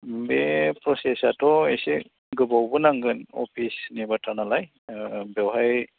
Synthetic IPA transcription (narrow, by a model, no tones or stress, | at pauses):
bepɾɔsɛsatɔesɛ | ɡɯbawbɯnaŋɡɯnɔ̰pʰisnibatʰanalaj | bɛwɦaj